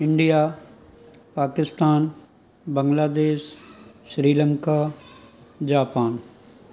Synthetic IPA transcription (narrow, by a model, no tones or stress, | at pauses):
ɪ̃ɳɖijaː | paːkɪst̪aːn | bɐ̃ŋɡlaːd̪eːʃː | ɾiːlə̃ŋka | d͡ʒaːpaːn